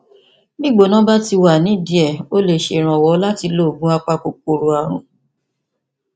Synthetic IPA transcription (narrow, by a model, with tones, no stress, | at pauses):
bi˦˨ɡ͡bo˨nã˦ba˦ti˧wa˨nĩ˨˦di˨ɛ˨o˦le˦˨ʃe˧˨ɾ̃ã˨wɔ˨˦la˦ti˧lo˦˨ɡũ˦a˧k͡pa˧ko˨k͡p̚o˨ɾo˨a˨ɾ̃ṵ̃˨